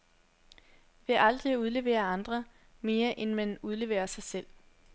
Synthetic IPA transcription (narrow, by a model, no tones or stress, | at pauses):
ʋe̝ʔɑ̈ld̥ʁiuð̞ˠle̝ʋḛːɐɑ̈nd̥ʁɐ | me̝ːɐʔenmænuð̞ˠle̝ʋḛːɐsɑ̈ɪsel̰